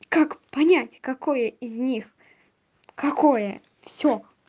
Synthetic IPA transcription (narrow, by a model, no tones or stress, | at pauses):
kakpɐnʲætʲkɐkojəɪzʲnʲix | kɐkʰojə | fsʲo